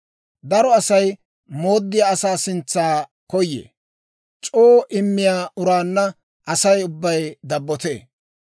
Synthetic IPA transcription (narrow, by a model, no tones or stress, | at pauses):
d̪ɐɾɔɐsɐj | mo̞ːd̪ːɪjaɐsaːsɪnt͡sːaː | kɔjːḛː | t͡ʃʼoːʔɪmːɪjaːʊɾaːnːɐ | ʔɐsɐjʊbːɐjd̪ɐbːɔt̪ḛː